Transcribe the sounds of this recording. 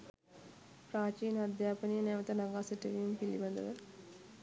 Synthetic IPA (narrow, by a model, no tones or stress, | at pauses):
praːt͡ʃiːnad̪jaːpənijənɛʋət̪ənaɡaːsəʈəʋijumpilḭband̪ə̰ʋə